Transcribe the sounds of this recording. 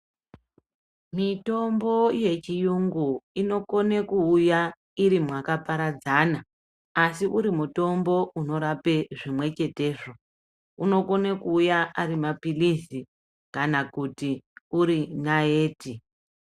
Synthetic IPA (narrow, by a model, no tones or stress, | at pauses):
mito̞mbo̞je̞t͡ʃijuŋɡuino̞ko̞ne̞kuːja | iɾimwakapaɾad͡zanaː | siʔuɾimuto̞mbo̞ʔuno̞ɾape̞ʐimwe̞t͡ʃe̞te̞ːʐo̞ | uno̞ko̞nekuːjaaɾimapilisi | kanakutiuɾinaeːti